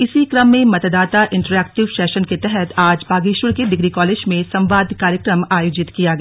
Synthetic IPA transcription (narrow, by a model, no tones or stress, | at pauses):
ɪsikɾɐmːẽmɐt̪d̪aːt̪aʔɪ̃ɳʈəɾɛːk̚ʈɪʋʃɛːʃənket̪ɛɦɛt̪aːd͡ʒpaːɡiːʃwəɽked̪ɪɡɾikɔːleːd͡ʒmẽsɐ̃mʋaːd̪kaːɾjəkɾəmaːjoːd͡ʒɪt̪kijaɡɐa